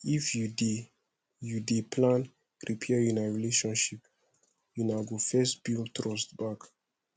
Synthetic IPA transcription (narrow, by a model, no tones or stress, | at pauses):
ifjude | judepʰlãn | ɹipʰɛajunaɹileʃɔ̃nʃip | junaɡofɛstb̥iltɹɔstbak